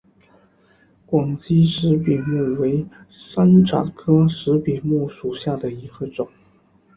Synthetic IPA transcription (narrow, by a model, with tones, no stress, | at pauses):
kwɑ˨˩ŋt͡ɕi˥ʂɻ̩˧˥pi˨˩mu˥˩we˧˥ɪ | ʂa˥nʈ͡ʂʰa̰˨˩kʰɤ˥ʂɻ̩˧˥pi˨˩mu˥˩ʂu˨˩ɕja˥˩d̪ə˩i˧˥xə˧ʈ͡ʂʊ˨˩˦ŋ